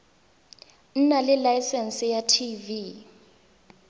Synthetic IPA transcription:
n̩nalɪlajsɛnsijatʰivi

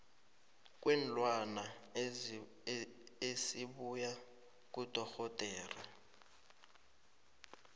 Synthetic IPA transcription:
k̬ʼwɛn̩lwana | esiɓuja | k̬ʼudʱɔxɔtʼɛːra

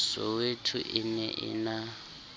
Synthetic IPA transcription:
sɔwetʰuʔɪnɛʔɪ̰na

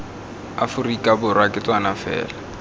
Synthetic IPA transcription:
afʊrikʼabʊrwakʼɪtʼwanafɛ̰ːla

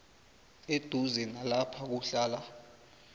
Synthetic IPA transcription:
ed̥ʱuzɛnalapʰak̬uɬaːla

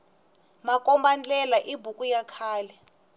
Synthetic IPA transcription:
makʼɔmband͡ɮʼɛlaʔibʱukʼujakʰaːlɛ

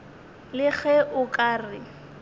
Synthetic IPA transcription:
lɪɣɛʔʊkʼaːrɪ

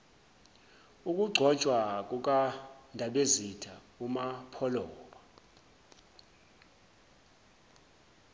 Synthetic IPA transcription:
uk̬ʼuɡ͡ǀʱɔt͡ʃʼwak̬ʼuk̬andʱaɓezitʰa | umapʰɔlɔːɓa

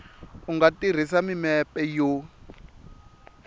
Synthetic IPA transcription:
uŋɡatir̤is̬amimɛpɛjo

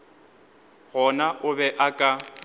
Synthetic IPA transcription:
ɣɔnaʔʊbɛʔakʼa

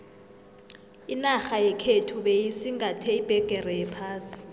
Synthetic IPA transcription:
inaxajɛkʰetʰuɓejisiŋatʰɛib̥ʱɛɡ̥ʱɛrɛjɛpʰaːsi̥

